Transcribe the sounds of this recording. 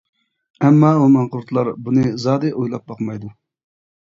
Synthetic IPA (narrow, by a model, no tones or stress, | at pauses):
ɛmːɑomɑnqʊɾt̪ʰlˠɑɾbunɨzɑːd̪ɨʔojlˠɑp̚bɑqmɑjd̪u